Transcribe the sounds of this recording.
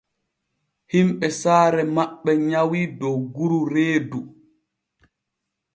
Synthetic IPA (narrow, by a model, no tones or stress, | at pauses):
himɓɛsaːɾɛmaɓːɛɲawiːdɔwɡuɾuɾeːdu